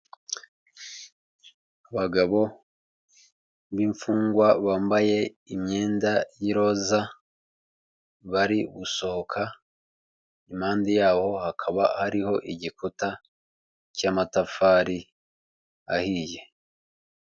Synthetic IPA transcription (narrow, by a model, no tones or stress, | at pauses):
aβaɡaβo̞ | βiːɱfuːŋɡwaβaːmbaje̞ | imɲe̞ːndajiɾo̞za | βaɾiɡuso̞hokʰa | imaːndijaːho̞hakʰaβahaɾiho̞ʔiɟikuta | caːmatafaːɾi | a̰hije̞